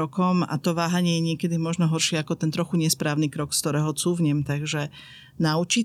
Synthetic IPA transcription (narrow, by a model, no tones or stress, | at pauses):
ɔkɔma̰t̪ɔʋaːɦaɲɪɛjɛɲɪɛkɛd̪imɔʒnɔɦɔɾʃɪɛakɔt̪ɛnt̪ɾɔxuɲɛspɾaːʊnikɾɔkst̪ɔɾɛːɦɔt͡suːvɲɛmt̪aɡʒɛ | naut͡ʃi